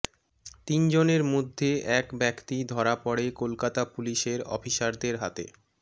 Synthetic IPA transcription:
t̪ind͡ʑoneɾmod̪ʱːeʔɛkbɛkt̪id̪ʱɔɾapɔɽekolkat̪apuliʃeɾɔ̰fʰiʃaɾd̪eɾɦat̪ḛ

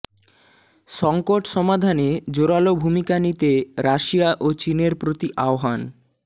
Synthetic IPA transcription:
ʃɔŋkoʈʃɔmad̪ʱaned͡ʑoɾalobʱumikanit̪eɾaʃijaʔot͡ɕineɾpɾot̪iʔaoɦan

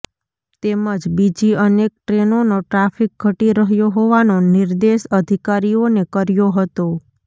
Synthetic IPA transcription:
t̪eməd͡ʒbid͡ʒiənek̚ʈɾenonoʈɾafik̚ɡʱəʈiɾəɦjoɦoʋanoniɾd̪eʃəd̪ʱikaɾionekəɾjoɦət̪o

